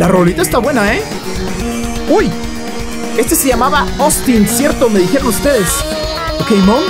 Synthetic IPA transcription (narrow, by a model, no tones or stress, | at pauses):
laroolit̪aest̪aβwe̞nae | uj | e̞st̪e̞se̞ʝamaβaost̪insje̞ɾt̪oomdeðixeɾonust̪e̞ðes | okejmõŋ